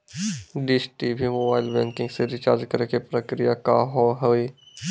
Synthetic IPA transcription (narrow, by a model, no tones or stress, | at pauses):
ɖɪsʈibʱimoːbaːɪlbɛ̃ːŋkɪ̃ŋɡseɾɪt͡ʃa̰ːɾd͡ʒkəɾekepɾəkɾijaka̰ɦoɦəi